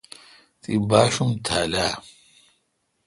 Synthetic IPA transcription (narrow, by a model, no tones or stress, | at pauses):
t̪ibaːɕumt̪ʰaːlaː